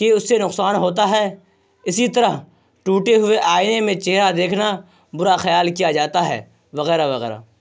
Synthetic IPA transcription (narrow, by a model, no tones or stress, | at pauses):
keʊsːenʊqsaːnɦoːt̪̬aɦɛː | ɪsit̪əɾəɦ | ʈuːʈeɦʊeʔaːɪnemẽt͡ʃeɦɾad̪eːkʰna | bʊɾaxɐjaːlkijad͡ʒaːt̪aɦɛ̰ː | ʋɐɣɛːɾaʋɐɣɛ̰ːɾa̰ː